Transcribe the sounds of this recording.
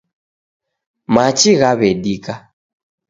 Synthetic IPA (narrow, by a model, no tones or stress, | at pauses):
mat͡ʃiɣaβɛɗika